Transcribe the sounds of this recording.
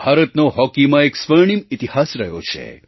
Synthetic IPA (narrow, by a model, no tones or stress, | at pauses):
bʱaːɾət̪noɦɔkimãeksʋəɾɳ̃imit̪ihasɾəɦjo̰t͡ʃʰḛ